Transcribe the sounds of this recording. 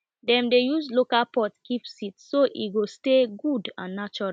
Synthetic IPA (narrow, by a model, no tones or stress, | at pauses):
dɛ̃mdejuzlokalpɔtkipsitsoʔḭtɡosteɡudã̰nːat͡ʃɔɹ